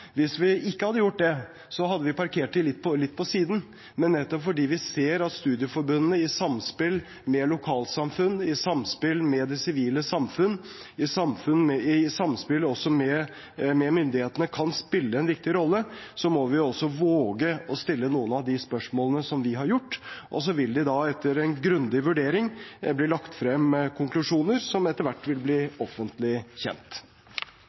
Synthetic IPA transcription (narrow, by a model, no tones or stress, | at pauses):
ʋɪsʋɪɪkːəhɑd̪ːəjʊʈ̚ːd̪ɛ | sɔɦɑd̪ːəʋɪpʰɑɾkʰeːʈʈ̪ɪlːɪt̪ːpʰɔlɪt̪ːpʰɔsiːd̪n̩ | mɛnːɛt̪ːɔpfɔɖiːʋɪseːɾɑt̪st̪ʉːd̪ɪəfɔɾbʉnnəɪsɑmspɪl | mɛlʊkʰɑːlsɑmfʉnːɪsɑmspɪlmɛd̪ɛsɪʋiːləsɑmfʉnː | ɪsɑmfʉnmɛɪsɑmspɪləɔsːɔmɛ | mɛmʏnd̪ɪheːt̪ənəkʰɑnspɪlːəɛnʋɪk̚t̪ɪɾɔlːəsɔmɔʋɪɔsːɔʋoːɡəɔst̪ɪlːənuːənɑʋd̪ɪspœʂmoːlənəsɔmʋɪɦɑɾjʊʈːʔɔ̰s̬ɔʋɪld̪ɪd̪ɑɛt̪ʰːəɾɛnɡɾʉnd̪ɪʋʉɖeːɾɪŋblɪːlɑkt̪fɾɛmkʰʊŋklʉʂuːnəɾsɔmɛt̪ːəɾʋæʈːʋɪlbliːɔfːənt̪lɪçɛ̰nt̪